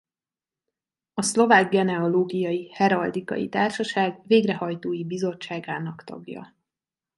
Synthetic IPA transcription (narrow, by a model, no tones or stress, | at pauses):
ɒslo̞vaːɡːɛnɛoloːɡijɒjihɛɾɒld̪ikɒ̰jḭt̪aːrʃɒʃaːɡveːɡrɛhɒjt̪oːjibizo̞t͡ʃːaːɡaːnɒkt̪ɒ̰ɡjɒ̰